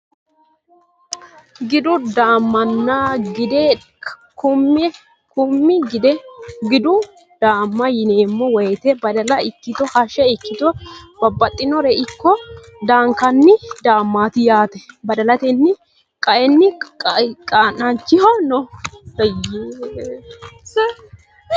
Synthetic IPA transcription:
ɡɪd̪ʊd̪aːmːɐnːaːɡɪd̪ɛ | kʊmː | kʊmːɪɡɪd̪ɛɡɪd̪ʊ | d̪̥aːmːɐjɪneːmːɔwɛjt̪ɛbɐd̪ɐlɐɪkːɪt̪ɔhɐʃɛɪkːɪt̪ɔb̥ɐbːɐt̪ʼːɪnɔɾɛʔɪkːɔ | d̪aːŋkɐnːɪd̪aːmːaːt̪ɪjaːt̪ɛbɐd̪ɐlɐt̪ɛnːɪ | kʼɐʔɛnːɪ | kʼanɐnt͡ʃːɪhɔnɔhɐje

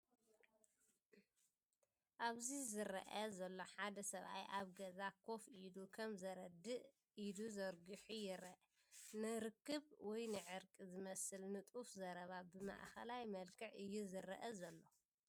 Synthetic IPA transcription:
ʔaβzizɨɾɐ̰ʔɐzɐlːo̞ħad̪ɐsɐβʔa̰jʔaβɡɐzakʰo̞fid̪ukʰɐmzɐɾɐd̪ːɨʔ | ʔid̪uzɐɾɡɨħujɪɾɐʔ | nɨɾɨkːɨβwɔjnɨʕɨɾkʼizɨmɐsɨlnɨt̪ʼufzɐɾɐβabɨma̰ʔxɐlajmɐlkʰɨʕɨjːuzɨɾɐʔɐzɐlːo̞

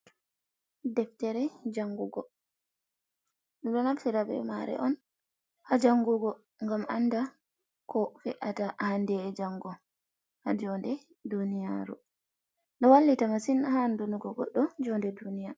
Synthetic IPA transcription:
dɛftɛɾɛd͡ʒaŋɡuɡɔ | ɗɔɗɔnaftɛɾabɛ̰maɾɛ̰ʔɔn | had͡ʒaŋɡuɡɔ | ŋɡamanda | kɔfɛʔatahandɛːd͡ʒaŋɡɔ | had͡ʒɔndɛ | dunija̰ɾṵ | nɗɔwalːitamasinhandunuɡɔɡɔ̰ɗɔd͡ʒɔndɛdunija

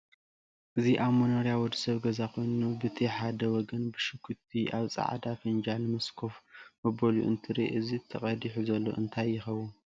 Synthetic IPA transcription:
ʔɨziʔaβmɐnɐɾjawɔd̪i̥sɐβɡɐzakʰo̞jnubɨt̪ʰiħad̪ɐwɔɡɐnbɨʃɨkʰut̪ʰiʔaβt͡sʼa̰ʕd̪afɨnd͡ʒanɨmɐskʰo̞fmɐbɐlṵʔɨ̰nt̪ʰɨɾeʔɨzit̪ʰɐqʼɐd̪iħuzɐlːo̞̰ʔɨnt̪ʰajːɪxɐwun

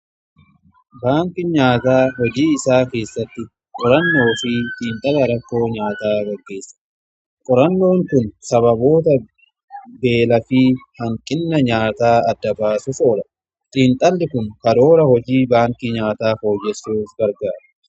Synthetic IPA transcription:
baːŋkɪɲaːt̪aːhɔd͡ʒiːɪsaːke̞ːsːɐt̪ːɪ | kʼɔɾɐnːo̞ːfɪt̪ʼiːnt̪ʼɐlɐɾɐkːo̞ːɲaːt̪aːɡɐɡːe̞ːsːɐ̥ | kʼɔɾɐnːo̞ːŋkʊnsɐβɐbo̞ːt̪ɐ | be̞ːlɐfiːhɐŋkʼɪnːɐɲaːt̪aːɐd̪ːɐbaːsʊfoːᶑɐ | t̪ʼiːnt̪ʼɐlːɪkʊŋkɐɾo̞ːɾɐhɔd͡ʒiːbaːŋkɪɲaːt̪aːfo̞ːd͡ʒːɛsːuːfɡɐɾɡaːɾɐ̥

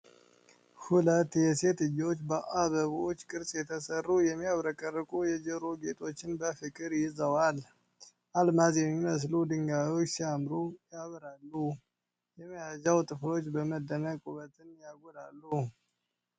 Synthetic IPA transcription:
hulət̪ːjɛse̞t̪ɨjo̞t͡ʃːbəʔaβəβot͡ʃːkʼɨɾt͡ʃʼjɛt̪ʰəsərːujɛmːiaβɾəkʼərːɨkʼujɛd͡ʒəɾoɡe̞t̪ʰʼo̞t͡ʃːɪnbəfɨkʼɨɾjɪzəwal | ʔalmazjɛmːiməs̬lud̪ɨŋɡajo̞t͡ʃːsiamɾujaβɨɾalːu | jɛmːijad͡ʒawt̪ʼɨflo̞t͡ʃːbəməd̪ːənəkʼuβət̪ʰɨnjaɡolalːu

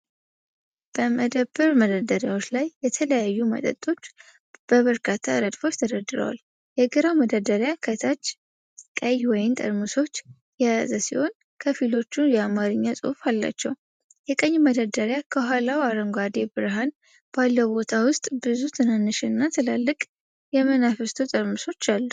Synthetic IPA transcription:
b̥əməd̪əbəɾməd̪əd̪əɾjawo̞t͡ʃːlajːɛt̪ʰələjajːumə̰t̪ʼə̰t̪ʼːo̞t͡ʃː | b̥əβəɾkʰat̪ʰːaɨɾəd̪fo̞t͡ʃːt̪ʰəd̪əd̪ɨɾə̰wa̰l | jɛɡɨɾawməd̪əd̪əɾjakʰət̪ʰat͡ʃː | kʼəjwɔjɪmt̪ʼə̰ɾmɨso̞t͡ʃː | jɛjazəsiho̞n | kʰəfilo̞t͡ʃːujɛamaɾɨɲːasʼɨ̰falːa̰t͡ʃːɛ̰w | jɛkʼəɲːməd̪ad̪əɾjakʰəɦʷalawaɾəŋɡʷad̪ebɨɾɦan | b̥alːəbo̞t̪ʰawʊst̪ʼbɨzut̪ʰɨnanːɨʃɨnːat̪ʰɨlalːɨkʼ | jɛmənafɨst̪ʰot̪ʼəɾmɨso̞t͡ʃːalːu

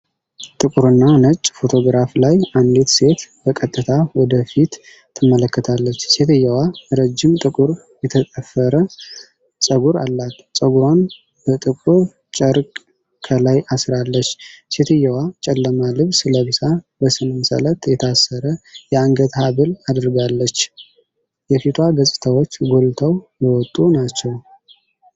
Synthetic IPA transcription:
t̪ʼɨkʼuɾɨnːanət͡ʃʼːfo̞t̪ʰo̞ɡɾaflajand̪et̪se̞t̪bəkʼət̪ʼːɨt̪ʰawɔd̪əfit̪ | t̪ʰːɨmːələkːət̪ʰalːət͡ʃːse̞t̪ʰəjːɛwaɾəd͡ʒːɪmt̪ʼɨkʼuɾ | jɛt̪ʰət̪ʼəfːəɾə | sʼəɡuɾalːat̪sʼəɡuɾon | bət̪ʼɨkʼuɾ | t͡ʃʼəɾkʼ | kʰəlajasɾalːət͡ʃːse̞t̪ʰɨjːəwat͡ʃʼɛlːəmalɨβsɨləβɨsa | bəsɨnɨmsə̰lət̪jɛt̪ʰasːəɾəjɛaŋɡət̪haβɨlad̪ɾɡalːət͡ʃː | jɛfit̪ʰwaɡəsʼɨ̥t̪ʰawo̞t͡ʃːɡo̞lt̪ʰəwjəwɔt̪ʼːunat͡ʃːɛw

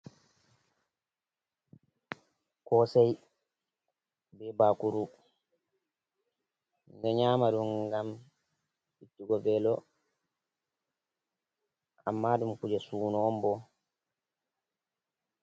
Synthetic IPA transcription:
kɔsɛj | bɛbakuɾu | ndɛɲaːmaɗuŋɡam | itːuɡɔvɛlɔ | ʔa̰mːaɗumkud͡ʒɛsuːnɔmbɔ

